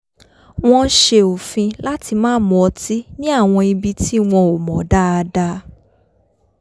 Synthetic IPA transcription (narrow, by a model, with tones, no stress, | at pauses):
w̃ɔ̃˧ʃe˧o˨fĩ˧la˦ti˧mãː˦mɔ̃˧ɔ˧ti˦nĩ˦a˦˨w̃ɔ̃˧i˧bi˧ti˦w̃ɔ̃˧o˨mɔ̃˨˦da˦a˧da˦